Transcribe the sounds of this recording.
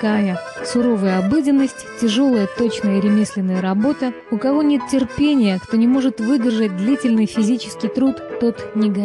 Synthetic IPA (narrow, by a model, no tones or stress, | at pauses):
kajəsʊɾo̞vəjəɐbɨdʲɪnːəsʲtʲtʲːɪʐo̞lˠəjət̪o̞t͡ɕnəjəɾʲɪmʲisʲlʲɪnːəjəɾɐbo̞t̪ə | ʊkɐvo̞nʲet̪tʲːɪrpʲenʲɪjəkt̪o̞nʲɪmo̞ʐɨt̪vɨdʲɪrʐət̚ʲd̪lʲitʲɪlʲnɨjfʲɪzʲit͡ɕɪ̥skʲɪjt̪ɾut̪ːo̞t̪nʲɪɡɐ